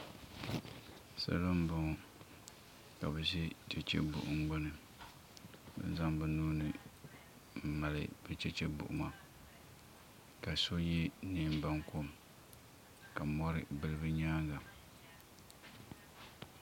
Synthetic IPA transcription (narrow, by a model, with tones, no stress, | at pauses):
sa̰˦la˦m˦bʊ˨ŋɔ˨ | ka˨bɛ˨zɛ˦t͡ʃɛ˨t͡ʃɛ̰˦bʊ̰˨ʔʊ˨ŋ˦ɡ͡bo˦nɨ˨ | bɛ̰˦n˦za˦ŋbɛ˨nuː˦nɨ˨ | m̩˨ma˨lɨ̰˨b̥ɛ˦t͡ʃɛ˦t͡ʃɛ˦bʊ̰˨ʔʊ̰˨ma˨ | ka˨so˦jɛ˦ni˨˦m˦ba˨ŋko˦˨m | ka˨mɔ˦ɾɪ˨bɨ˨lɨ˦bɨ˦ɲaː˦ɡa˨